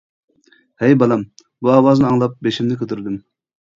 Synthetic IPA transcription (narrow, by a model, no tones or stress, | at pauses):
hɛjbɑlˠɑm | buɑːwɑznɨɑŋlˠɑp̚beʃimnɪkʲʰøt̪ʰyɾd̪ym